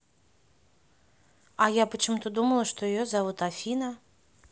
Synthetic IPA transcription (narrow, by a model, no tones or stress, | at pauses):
ɐjapət͡ʃɨmut̪ɔd̪uməlˠɐʂt̪ɔjijɔzavut̪afʲinɐ